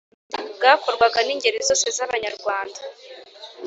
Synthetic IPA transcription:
ɡako̞ɾɡwaɡaniːɲɟe̞ɾezo̞ːse̞zaβaɲaɾɡwaːnda

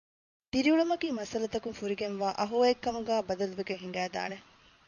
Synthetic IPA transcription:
t̪iɾiuɭɐmɐkiːmɐsɐlɐt̪ɐkuŋfuɾiɡenʋaːʔɐɦuɐekːɐmɐɡæːbɐd̪ɐluʋeɡeŋɦiŋ̆ɡæːd̪a̰ːne

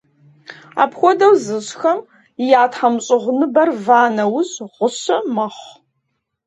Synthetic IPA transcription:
a̰ːpxʷɔdɐwzɨɕxɐm | ijaːtħɐmɕʼɪʁʷʊnɨbɐrvaːnɐwʊzʁʷʊɕɐmɐχʷ

